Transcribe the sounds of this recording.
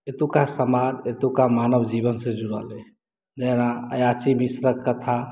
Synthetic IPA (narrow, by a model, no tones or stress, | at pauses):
et̪ukasəmad̪et̪ukamanəbd͡ʒibənsẽd͡ʒuɾa̰le | d͡ʒənaəjat͡ʃimisɾəkːət̪ʰa